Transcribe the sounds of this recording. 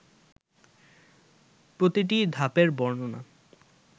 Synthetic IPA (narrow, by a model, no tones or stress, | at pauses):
pɾot̪iʈ̬id̪ʱapeɾbɔɾnona̰